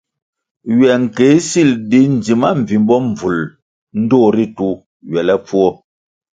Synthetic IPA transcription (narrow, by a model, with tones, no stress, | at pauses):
ɥɛ˨ŋ̩˨ke˨˦si˦˨ldi˦n̩˨d͡zi˨ma˦m̩˨vi˨m˦bɔ˦ɱ˨vu˨l | n̩˦doː˦˨ɾi˦tu˦ | ɥɛ˨lɛ˦p͡fu˦ɔ˦